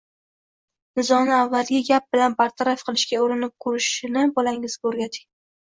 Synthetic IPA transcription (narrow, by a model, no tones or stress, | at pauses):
nɪzɒnɪavːalˠɡʲɪɡʲap̚b̥ɪlanbaɾt̪ʰaɾafqʰɨlˠɪʃkʲaʊɾɪnɪp̚kʰʊɾɪʃɪnɪbɒlaŋɪzɡʲoɾɡʲat̪ʰɪ̥ŋ